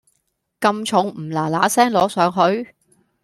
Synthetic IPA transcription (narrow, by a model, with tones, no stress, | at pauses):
kɐ˧mt͡ʃʰʊ˨˥ŋm̩˨˩laː˨˩laː˨˥sɛː˥ŋlɔː˨˧˥sœː˨˥ŋɦɵ˨˧ɥ